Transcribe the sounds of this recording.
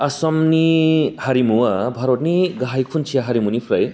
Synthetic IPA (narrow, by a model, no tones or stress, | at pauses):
ɐsɔmnihɐɾimuwɐbʱɐɾotniɡaɦajkʰunt͡ʃʰiaɦɐɾimunipʰɾɐj